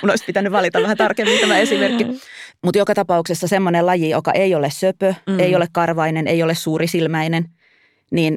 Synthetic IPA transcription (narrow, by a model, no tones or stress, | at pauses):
kunoispit̪ænːyʋʋɑlit̪ɑʋʋæhænt̪ɑrkemːint̪æmæesimerkːimut̪jokɑt̪ɑpɑuksesːɑsemːonelɑjijokɑ̰ʔejolessøpøeiolekkɑrʋɑinenejolessuːɾisilmæinen | niːn